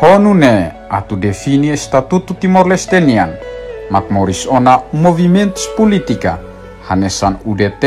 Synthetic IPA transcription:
hɔnune | a̰t̪udefiniest̪at̪ut̪ut̪imɔrlɛst̪ɛnianmak̚mɔɾisɔnamovimɛnt̪u̥spɔlit̪ika̰ | hanɛsanudet̪

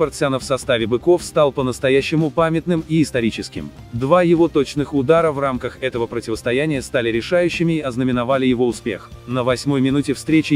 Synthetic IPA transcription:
pɐrt̪sɨanəfsɐst̪avʲɪbɨko̞fst̪alˠpənəst̪ɐjæɕːɪmʊpamʲɪt̪nɨmiːst̪ɐɾʲit͡ɕɪskʲɪ̰m | d̪vajɪvo̞t̪o̞t͡ɕnɨxʊd̪aɾəvramkəxɛt̪əvəpɾətʲɪvəst̪ɐjænʲɪjəst̪alʲɪɾʲɪʂajʉɕːɪmʲɪːɐznəmʲɪnɐvalʲɪjɪvo̞ʊspʲe̞̰xnəvɐsʲmo̞jmʲɪnutʲɪfst̪ɾʲet͡ɕɪ

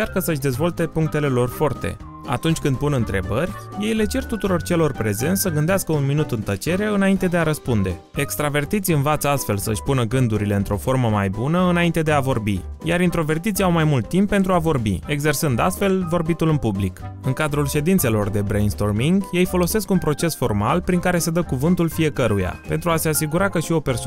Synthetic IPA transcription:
t͡ʃarkəsəʃd̪e̞zvo̞lt̪e̞puŋk̚t̪e̞le̞lo̞rfo̞rt̪e̞̰ | a̰t̪unt͡ʃʲkɨnd̪̚punɨnt̪ɾe̞bərʲje̞jle̞t͡ʃe̞rt̪ut̪uɾo̞rt͡ʃe̞lo̞rpɾe̞ze̞nʲsəɡɨnd̪easkəunminut̪ɨnt̪ət͡ʃe̞ɾeɨnaint̪e̞d̪eaɾəspund̪e̞̰ | ekst̪ɾave̞rt̪it̪siɨnvat̪səast̪fe̞lsə̰ʃʲpunəɡɨnd̪uɾile̞ɨnt̪ɾo̞fo̞rməmajbunəɨnaint̪e̞d̪e̞avo̞rbijaɾint̪ɾo̞ve̞rt̪it̪siawmajmult̪ːimpːe̞nt̪ɾuavo̞rbḭe̞ɡze̞rsɨnd̪a̰st̪fe̞lvo̞rbit̪ulɨnpublik | ɨŋkad̪ɾulʃe̞d̪int̪se̞lo̞rd̪e̞bɾejnst̪o̞rmiŋɡje̞jfo̞lo̞se̞skunpɾo̞t͡ʃe̞sfo̞rmalpɾiŋkaɾe̞səd̪əkuvɨnt̪ulfije̞kəɾuja̰pe̞nt̪ɾuase̞asiɡuɾakəʃio̞pe̞rs

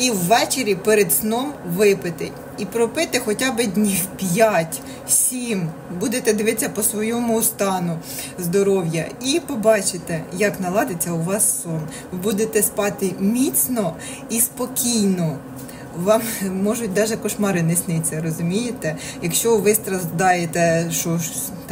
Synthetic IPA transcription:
iwːɛt͡ʃeɾʲipɛɾed̪snɔmʋɪpɪt̪ɪ | ipɾɔpɪt̪ɪxɔtʲabɪdʲnʲiwpʲjatʲ | sʲimbud̪et̪ɛd̪ɪʋɪt͡sʲːɐpɔsʋɔjɔmʊːst̪ɑnʊ | zd̪ɔɾɔwjɐipɔbɑt͡ʃɪt̪ɛjɐknɐlˠɑd̪et͡sʲːɐʊʋɑsːɔn | ʋɪbud̪et̪ɛspɑt̪ɪmʲit͡sʲnɔ | ispɔkʲijnɔ | ʋɑmmɔʒʊt̚ʲd̪ɑʒɛkɔʃmɑɾɪnɪsnɪt͡sʲːɐɾɔzʊmʲijet̪ɛ | jɐkʃt͡ʃɔʋɪst̪ɾɐzd̪ɑjet̪ɛʃɔʃ

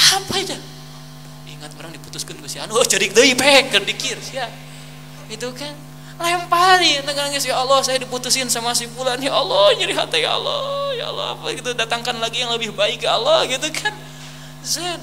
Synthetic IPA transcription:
ampad͡ʒa | iŋat̪̚kaɾaŋdiput̪ʊskanɡusia̰nuot͡ʃəɾik̚dəipek̚ːərdikɪrsija | ɡit̪ukan | laəmpalinaɡanaŋɡisjaalːɔhsajadiput̪usɪnsamas̬ipulanjaʔalɔhd͡ʒaɾiɦat̪ajaa̰lɔja̰a̰lɔ̰a̰paɡit̪udat̪aŋkanlaɡijaŋləbɪhbaɪkjaa̰lɔhɡit̪ukʰan | zən

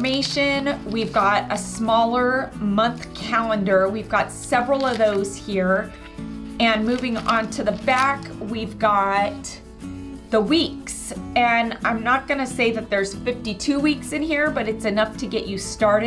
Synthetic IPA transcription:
meɪʃɨ̃nwivɡɑɾɨsmɔlˠə˞mʌ̃nθkʰælˠə̃ndə˞wivɡɑtsɛvɹl̩ˠʌvðoʊz̥hiɹ | ɨ̃nmʉvɪ̃ŋə̃ntʰɨðəbækwivɡɑt̪̚ | ðəwiksɨ̃nã̰ɪ̃mnət̚ɡ̥ʌnɨseɪðɨt̪̚ðə˞z̥fɪftitʰʉwiksɨ̃nhiɹbʌɾɨtsɨnʌftʰɨɡɛt͡ʃɨstɑɹɾɨ

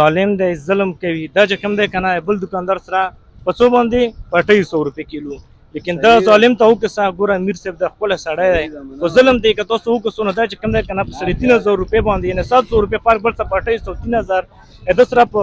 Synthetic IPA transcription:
zɑlɪmd̪ajzəlmkawid̪at͡ʃekamd̪ajkanabəld̪ʊkɑnd̪ɑɾsaɾa | pət͡sobɑnd̪epaʈajisawɾupekelu | lekɪnd̪azlɪmt̪aʊkəsaɡoɾamiɾseb̚d̪axpəlasaɽajd̪ajxozəlmd̪ajkat̪ɑsoʊkəsonod̪at͡ʃekamd̪ajkanapəsaɾet̪inazɑɾːupebɑnd̪ejanesat̪sowɾupepaɾk̚bəlt͡sapaʈajisawt̪inazaɾ | ad̪əsaɾapə

